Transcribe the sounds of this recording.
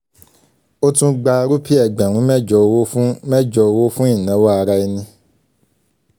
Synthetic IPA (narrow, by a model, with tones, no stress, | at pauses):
o˦tũ˦ɡ͡ba˧ɾu˦pi˦ɛ˦˨ɡ͡bɛ̃˨ɾ̃ũ˨˦mɛ̃˦d͡ʒɔ˨o˧wo˦fmɛ˦d͡ʒɔ˧o˧wo˦fũ˦ĩ˦˨nã˨˦wa˦a˨˧ɾa˧˦i˧nĩ˧